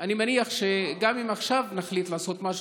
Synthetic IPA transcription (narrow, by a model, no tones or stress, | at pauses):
animaniaχʃeɡamimaχʃavnaχlit̪laːso̞t̪maʃ